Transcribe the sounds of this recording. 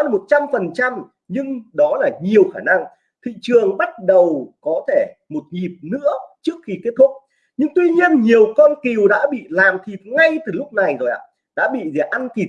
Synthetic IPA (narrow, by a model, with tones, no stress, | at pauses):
mo˨˩t̚t͡ɕa˧mfə˨˩nt͡ɕa˧m | ɲɨ˧ŋɗɔ˨˦laː˨˩ɲi˨˩əwxaː˧˩na˧ŋ | t̪ʰḭ˧˨t͡ɕɨ˨˩əŋɓa˦˥t̚ɗə˨˩wkɔ˨˦t̪ʰe˧˩ | mo˨˩t̚ɲi˨˩p̚nɨ̰˧˥ət͡ɕɨ˦˥ək̚xi˧ke˦˥t̚t̪ʰʊ˦˥k͡p̚ | ɲɨ˧ŋt̪wi˧ɲi˧ənɲi˨˩əwkɔ˧nki˨˩wɗa̰ː˧˥ɓḭ˧˨laː˨˩mt̪ʰi˨˩ŋa˧jt̪ɨ˨˩lʊ˦˥k͡p̚na˨˩jzo˨˩jʔa̰ː˧˨ | ɗa̰ː˧˥ɓḭ˧˨zɛ˧˩ʔa˧nki˨˩